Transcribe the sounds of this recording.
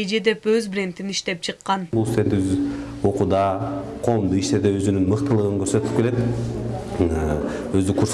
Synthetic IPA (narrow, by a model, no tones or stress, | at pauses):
ed͡ʒed̪e̞pøzbɾʲent̪iniʃt̪e̞p̚t͡ʃʰɯqːɑnbulˠst̪end̪izo̞qud̪ɑqʰo̞md̪uiʃt̪e̞ɾd̪eøzynynmɯqt̪ɯlˠɯʁɯŋkøɾsø̞t̪yp̚ke̞le̞t̪ | øzykʰuɾs